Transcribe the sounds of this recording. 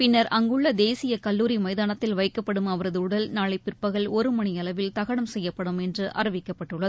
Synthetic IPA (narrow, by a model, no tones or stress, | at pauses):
pɪnːɐɾɐŋɡɯɭːɐd̪eːsɪjɐkɐlːuːɾimɐɪðaːnɐt̪ːɪlʋɐɪkːɐpːɐɽɯmɐʋɐɾɐðɯɯɽɐlnaːɭɐɪpːɪrpɐɣɐɭɔɾɯmɐɳɪɐlɐʋɪlt̪ɐɣɐɽɐmsɛjːɐpːɐɽɯmɛndrɯʔʔɐ̰ɾɐʋɪkːɐpːɐʈːɯɭːɐðɯ